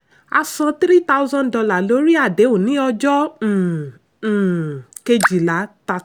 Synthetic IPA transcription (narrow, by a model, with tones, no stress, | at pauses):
a˧sɔ̃˧tɾi˦ta˦u˦zã˦dɔ˧la˦˨lo˧˦ɾi˦a˦˨de˨˦o˦˨nĩ˨˦ɔ˧d͡ʒɔ̃˦˨ | ke˧d͡ʒi˨la˨˦ta˧˨